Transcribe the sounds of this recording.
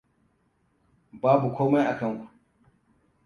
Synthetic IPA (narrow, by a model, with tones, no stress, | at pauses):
baː˦bu˨kʷoː˦ma˦jʔa˨kɐ˦ŋkʷu˨ʔ